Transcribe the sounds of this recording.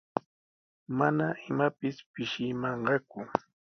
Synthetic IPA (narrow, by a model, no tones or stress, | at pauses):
manaʔɪmapɪspɪʃɪmɑɴɢɑkʊ